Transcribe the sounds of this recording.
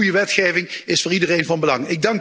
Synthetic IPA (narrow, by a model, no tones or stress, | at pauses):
ujəʋɛtχeːjvɪŋɪsfʊːɹidərejnvɑnbəlɑŋɪɡ̚dɑŋk